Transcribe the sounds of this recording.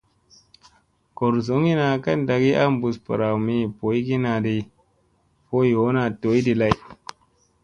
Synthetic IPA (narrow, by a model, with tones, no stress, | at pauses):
ko˨ɾso˨˦ŋi˦na˨ka˦˨nda˨ɡi˦ʔa˦mbu˨spə˨ɾa˨wmi˦˨po˨˦i˦ɡi˦na˨di˨ | po˦jo˨˦na˨to˨˦jdi˨la˦j